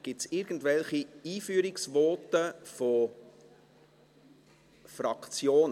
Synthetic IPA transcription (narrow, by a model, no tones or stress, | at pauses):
ɡ̥ɪsɪɾɡ̥ən̩tvɛlχiiːfyːɾɪksvɔtəfɔ | fɾɑkt͡sjoːn